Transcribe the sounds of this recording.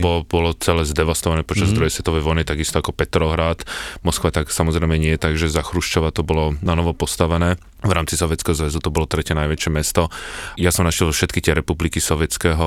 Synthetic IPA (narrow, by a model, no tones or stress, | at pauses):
bɔbɔlɔt͡sɛlɛːzd̪ɛʋast̪ɔʋanɛːpɔt͡ʃazd̪ɾuɦjɛsʋɛt̪ɔʋɛjʋɔjnit̪aɡist̪ɔakɔpɛt̪ɾɔɦɾaːt̪mɔskʋat̪aksamɔzɾɛɪmɛɲɪɛjɛt̪aɡʒɛzaxɾuʃt͡ʃɔʋat̪ɔbɔlɔnanɔʋɔpɔst̪aʋɛnɛː | vɾaːmt͡sisɔʋjɛt͡skɛːɦɔzʋɛzut̪ɔbɔlɔt̪ɾɛcɛnajʋɛt͡ʃɪɛmɛst̪ɔjasɔmnaʃjɛlfʃɛt̪kit̪ɪɛɾɛpublikisɔʋɪɛt͡skɛːɦɔ